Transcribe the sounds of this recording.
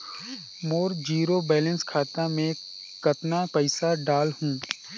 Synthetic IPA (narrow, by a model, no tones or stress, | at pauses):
moːɾd͡ʒiːɾobɛːlə̃nskʰaːt̪amẽ | kɐt̪napəɪsaɖaːlhũː